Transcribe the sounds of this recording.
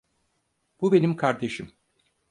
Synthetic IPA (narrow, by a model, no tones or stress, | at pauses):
b̥ube̞nimkʰaɾd̪e̞ʃim